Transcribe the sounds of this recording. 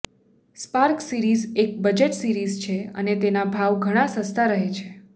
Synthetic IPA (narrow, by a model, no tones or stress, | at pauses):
spaɾksiɾizek̚bəd͡ʒeʈsiɾizt͡ʃʰeə̰net̪enabʱaʋɡʱəɽ̃ãsə̃st̪ʰaɾəɦet͡ʃʰe